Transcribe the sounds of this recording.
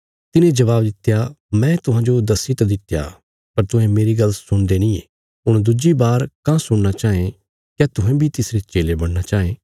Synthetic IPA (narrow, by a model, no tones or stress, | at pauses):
t̪ɪnẽd͡ʒɐβaːb̚d̪ɪt̪ja | mɛ̃t̪ʊɦãːd͡ʒod̪ɐsit̪ad̪ɪt̪ːja̰ | pɐɾt̪ʊɦɛ̃meːɾiɡɐlsʊɽ̃d̪enĩe | ɦʊɽ̃d̪ʊd͡ʒibaːɾkãsʊɽnat͡ʃaːẽ | kjɛt̪ʊɦɛ̃bʱit̪ɪsɾet͡ʃeːlebɐɽnat͡ʃaːẽː